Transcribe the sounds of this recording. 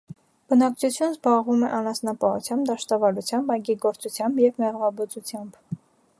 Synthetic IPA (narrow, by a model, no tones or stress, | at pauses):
b̥ənɑk̚t͡sʰut͡sʰjunəzbɑʁvumɛʔɑnɑsnɑpɑhṵt͡sʰjɑmbd̪ɑʃt̪ɑvɑlut͡sʰjɑmbɑjɡiɡɔɾt͡sut͡sʰjɑmbjɛvmɛʁvɑbɔt͡sut͡sʰjɑmb